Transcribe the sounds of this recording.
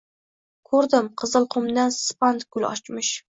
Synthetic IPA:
kʰɵɾd̪ɪmqʰɨzɨlˠqʰʊmd̪anspant̪ɡ̥ʊlɒ̰t͡ʃmɪʃ

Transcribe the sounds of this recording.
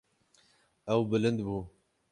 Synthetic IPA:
ɛwbɨlɨnd̪buː

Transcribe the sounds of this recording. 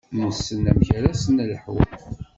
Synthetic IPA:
nəsːənæmçɾæsənləħwæ̰

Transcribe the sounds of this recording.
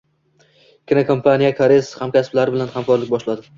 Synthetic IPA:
kʲɪnakʰompʰanijakʰaɾeshamkʲasɪblaɾɪbɪlanhamkɒɾlɪk̚ʲbɒʃlad̪ɪ

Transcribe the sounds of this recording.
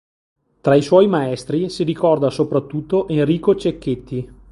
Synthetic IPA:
t̪ɾaiswɔjmaɛst̪ɾisiɾikɔrd̪asopɾat̪ːut̪ːoʔenriːkot͡ʃekːet̪ʰːi

